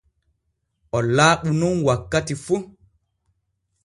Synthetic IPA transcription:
ʔɔlaːɓununwakːatifu

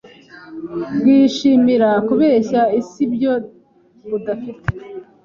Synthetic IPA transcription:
bɡiːʃiːmiɾakuβeːeɕaisibjo̞ | βudafite

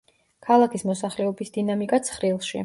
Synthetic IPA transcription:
kʰalˠakʰismɔsaχlɛɔbisd̪̥inamikʼat̪sʰχɾilˠʃḭ

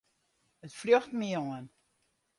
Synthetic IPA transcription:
ətfløxtmiɔən

